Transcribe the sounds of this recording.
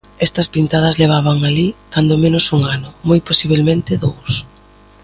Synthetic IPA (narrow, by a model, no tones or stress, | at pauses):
ɛst̪ɐspint̪að̞ɐzleβ̞aβ̞ɐŋalikand̪omẽnʊsuŋanʊmojposiβ̞elmẽnt̪ɪðows